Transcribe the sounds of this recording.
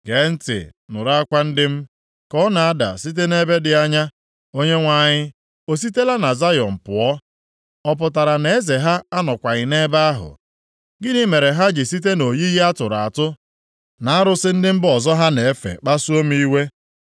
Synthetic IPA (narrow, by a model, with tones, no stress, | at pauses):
ɡ̥e˨˦n̩˦tɪ̰˨nʊ̰˨ɾa˦kʷa˦n̩˦dɪ˦m̩˦ | kɔ˦na˨a˦da̰˨si˦t̬e˦ne˦be˦dɪ˨a˦ɲa˦ | o˦ɲe˦ŋʷa˨ɲɪ˦ | o˦s̬i˦te˦la˦na˨za˦jɔ̰˨m̩˨pʊ˨ɔ˦ | ɔ˦p̬ʊ˨ta˨ɾa˨ne˨e˦ze˨ɦa˦a˦nɔ˨kʷa˨ɲɪ˨ne˦ba˦a˦ɦʊ̰˨ | ɡɪ˦ni˦me˨ɾe˨ɦa˦d͡ʒɪ˨si˦t̬e˦no˨ji˦ji˦a˦tʊ˨ɾa̰˨a˨tʊ˦ | na˨a˦ɾʊ˨sɪ˦n̩˦dɪ˦m̩˦bɔ˨zɔ˦ɦa˦ne˨e˦fḛ˨k͡pa˦su˦o˦m̩˦i˦we˦